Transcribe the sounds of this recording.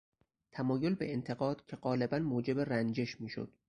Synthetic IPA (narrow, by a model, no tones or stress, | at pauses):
t̪ʰæmɒːjo̞lbe̞̰ent̪ʰe̞ɣɒːd̪̥cʰe̞ɢɒːle̞bænmoːd͡ʒe̞be̞rænd͡ʒe̞ʃmiːʃo̰d̪̥